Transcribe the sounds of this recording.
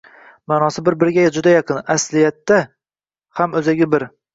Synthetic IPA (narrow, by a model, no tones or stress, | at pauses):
maːnɒsɪbɪɾbɪɾɡʲajad͡ʒʊd̪ajɑqɨnaslɪjat̪ːa | hamɵzaɡʲɪbɪɾ